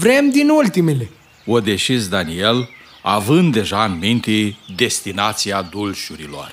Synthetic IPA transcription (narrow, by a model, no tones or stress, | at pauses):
vɾe̞md̪inult̪imele | od̪e̞ʃizd̪anie̞l | avɨnd̪ːe̞ʒaːnmint̪ed̪e̞st̪inat̪siad̪ulʃuɾilo̞̰r